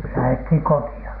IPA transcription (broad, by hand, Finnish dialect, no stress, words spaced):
læhethiŋ kotiɑ